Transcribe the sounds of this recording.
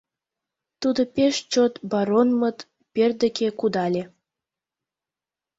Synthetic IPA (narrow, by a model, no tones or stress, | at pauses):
t̪ud̪opeʃt͡ɕot̪bɑɾonmət̪ | perd̪əkekud̪ɑlʲe